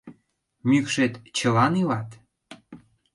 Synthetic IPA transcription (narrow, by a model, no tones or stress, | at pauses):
mykʃet̪t͡ɕə̆lɑnilɑt̪